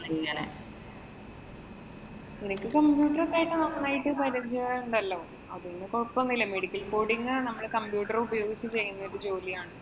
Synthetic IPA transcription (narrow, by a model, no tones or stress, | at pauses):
nɐŋːɐlḛ | enikʲːɨkɐmpjuːʈːɐrɐkːaːjiʈːɨnonːaːjiʈːɨpɐɾɐd͡ʑeaːɾuɳɖɐlːɐ | ɐðunːekoɭpːɐnːilɐmeɽikʲːɐlbo̞ːɽiŋɡɨnɐmːɐɭkɐmpjuːʈːɐrubɐjo̞ːɡit͡ɕːɨt͡ɕe̞jːunːɐoɾud͡ʑo̞ːlijaːɳɨ